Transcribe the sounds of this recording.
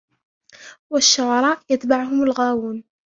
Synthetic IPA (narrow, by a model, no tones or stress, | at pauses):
waʃːʊʕɑɾˤɑːʔjat̪baʕʊhʊmalɣaːwuːn